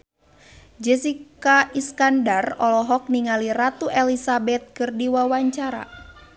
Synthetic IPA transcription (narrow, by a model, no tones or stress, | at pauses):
d͡ʒɛsikaiskandarɔlɔɦɔk̚niŋalirat̪uʔɛlisabɛt̪̚kɨrdiwawaɲt͡ʃaɾa̰